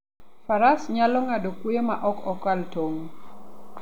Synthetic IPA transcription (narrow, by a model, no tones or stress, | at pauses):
faɾasɲalɔŋadokwojema̰ʔɔkɔkaltoŋ